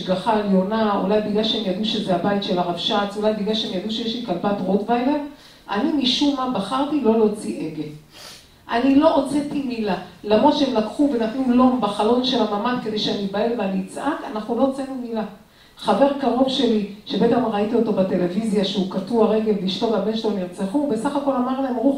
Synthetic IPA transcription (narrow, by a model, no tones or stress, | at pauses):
ʃɡaχaeljo̞naṵlajbiɡlaʃeemjad̪uʃezeabajit̪ʃe̞laʁavʃat͡sulajbiɡlaʃeemjad̪uʃejeʃlikalbatʁotvajlen | ʔa̰nimiʃumːabaχaʁtilo̞lo̞t͡siʔeɡe̞l | ʔanilo̞ʔot͡set̪imilalamʁod̪ʃeemlakχuvenat̪nulo̞mbaχalo̞nʃe̞lamamad̪kede̞jʃeanibaelveanit͡sʔakanaχnulo̞ot͡senumila | χave̞ʁkaʁo̞vʃe̞liʃebeet̪emʁait̪io̞to̞bat̪e̞le̞vizjaʃeukatuaʁe̞ɡe̞liʃto̞vabe̞nʃloniʁt͡seχube̞saχako̞lamaʁlaemʁuχ